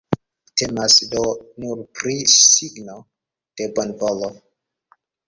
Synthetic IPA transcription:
tʰemasdonuɾpɾisiɡno | d̥e̞banbolo

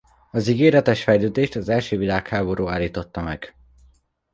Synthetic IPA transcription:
ɒziɡeːɾɛt̪ɛʃfɛjløːd̪eːʃt̪ɒzɛlʃøːvilaːkhaːbo̞ɾʔuːaːlːiːt̪o̞t̪ːɒmɛɡ̥

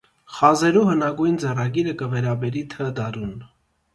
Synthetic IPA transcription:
χɑzɛɾuhənɑɡujnd͡zɛrɑɡiɾəkəvɛɾɑbɛɾit̪ʰəd̪ɑɾun

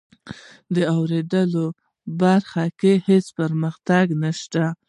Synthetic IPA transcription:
d̪əawɾed̪əlo | baɾxakehespəɾməxt̪aɡnaʃt̪a

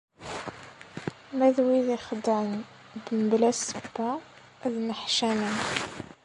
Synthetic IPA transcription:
mæðwiðixd̪an | bəməblæsəbːæ | ðnəħʃæmæn

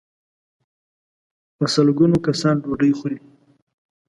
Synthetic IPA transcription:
pəsəlɡunokasɑnɖoɖəjxuli

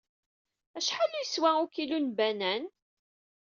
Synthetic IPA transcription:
æʃħalijəswæukilunbænæn

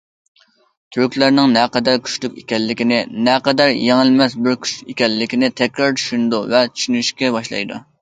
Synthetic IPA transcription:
t̪ʰyɾkʲlæɾnɪŋnɛqɛd̪ɛɾkʲʰy̥ʃlykʲekʲɛlːɪkʲinɪnɛqɛd̪ɛɾjeŋɪlmɛsbɪɾkʲʰy̥t͡ʃekʲɛlːɪkʲɪnɪt̪ʰɛkʲɾɑɾt͡ʃʰy̥ʃynd̪uvɛt͡ʃ̪ʰy̥ʃynyʃkʲɛbɑʃlˠɑ̰jd̪ṵ

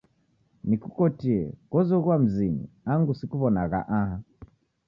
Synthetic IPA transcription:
nikukɔtiɛ̰kɔzɔɣwam̩ziɲḭaŋɡusikuβɔnaɣa̰ʔaha

